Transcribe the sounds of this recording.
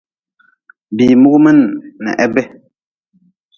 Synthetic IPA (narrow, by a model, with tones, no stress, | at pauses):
bi˨mu˦ɡmɛ˦˨nːɛ̰˨ʔɛ˦bɛ˦